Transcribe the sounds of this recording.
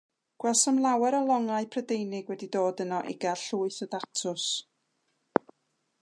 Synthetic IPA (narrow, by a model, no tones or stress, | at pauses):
ɡ̥wɛlˠsəmlˠawɛɾɔlˠɔŋaɨpʰrədejnɪɡwɛdidoːdənɔʔɪ̰ɡaɬuːɨθɔdatʰʊs